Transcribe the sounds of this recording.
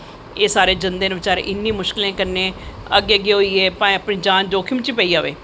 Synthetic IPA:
eːsaːɾeːd͡ʒənd̪eːnəbɪt͡ʃaːɾḛʔɪnːĩːmʊʃkɪlẽːkəɾnẽːəɡeːəɡeːɦoːiːeːpãːĩəpnĩːd͡ʒaːnd͡ʒoːkʰimt͡ʃiːpɛiːaːʋḛː

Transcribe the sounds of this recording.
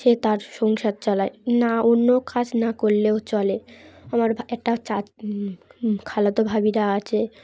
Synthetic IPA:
ʃet̪aɾʃɔŋʃad̪̚t͡ɕɔlaenaonːokad͡ʑnakoɾleot͡ɕɔleamaɾbʱɛk̚ʈat͡ɕa | kʰalat̪obʱabiɾaat͡ɕʰe

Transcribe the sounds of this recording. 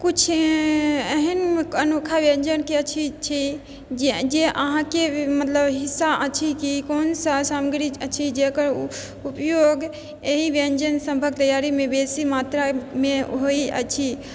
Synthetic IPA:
kut͡ʃʰ | əɦinənokʰaʋeɲd͡ʒənkeət͡ʃʰit͡ʃʰi | d͡ʒed͡ʒeʔəɦãkemət̪ləbɦisːaʔət͡ʃʰikikonsasaməɡɾiət͡ʃʰid͡ʒekəɾ | upjoɡ | eɦiʋend͡ʒənsə̃mbʱəɡ̚t̪əjaɾimẽbesimat̪ɾameɦoiə̰t͡ʃʰi

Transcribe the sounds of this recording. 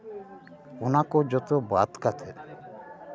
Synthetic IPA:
unakɔd͡ʒɔt̪ɔbat̪kat̪ʰɛ

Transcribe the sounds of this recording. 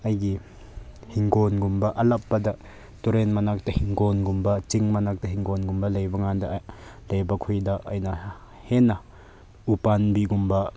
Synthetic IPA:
ɐjɡi | hiŋɡɔnɡumbaʔɐlɐpːad̪a | tuɾenmanak̚tahiŋɡɔnɡumbat͡ʃiŋmanak̚taɦiŋɡɔnɡumbalɐjbaŋandalɐjbakʰujdaɐjna | hɛna | upanbiɡumba

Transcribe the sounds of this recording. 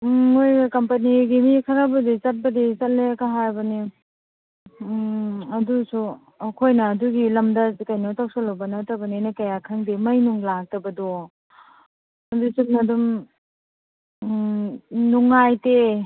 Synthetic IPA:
ojkɐmpɐniɡimikʰɐɾabɐdit͡ʃɐt̚bɐdit͡ʃɐt̚lekaɦajbɐni | ɐdusu | ɐkʰojnɐːduɡilɐmdɐkajnatʰaw̚sɔlawbɐnɐtɐbɐninakɐjakʰaŋdimɐjnuŋlak̚tɐbɐdɔ | ɐdusunɐdum | nuŋajte

